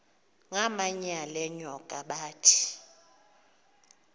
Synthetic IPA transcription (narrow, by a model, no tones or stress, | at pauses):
ŋamaɲalɛɲɔkʼaɓaːtʰi̥